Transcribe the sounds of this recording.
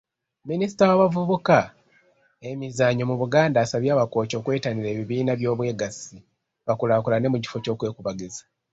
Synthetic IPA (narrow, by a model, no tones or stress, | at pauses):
minisi̥tawaβavuβuka | e̞mizaːɲomuβuɡaːndaːsaβjaːβako̞ːco̞ːkwe̞ːtaniɾe̞ːβiβiːnaβjo̞ːβwe̞ːɡasi | βakulaːkulane̞muci̥fo̞co̞ːkwe̞ːkuβaɡezḁ